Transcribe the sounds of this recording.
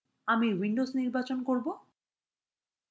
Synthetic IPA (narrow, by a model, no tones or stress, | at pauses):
amiwiɳɖozniɾbat͡ɕonkoɾbo